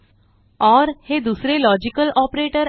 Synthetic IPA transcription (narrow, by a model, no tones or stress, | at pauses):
ɔɾhed̪usɾelɔd͡ʑikəlɔpɾeʈəɾ